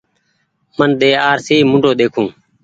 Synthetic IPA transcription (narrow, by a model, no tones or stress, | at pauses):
mənɗ̪eːaːɾsiːmʊ̃ɳɖʱoːɗ̪eːkʰũː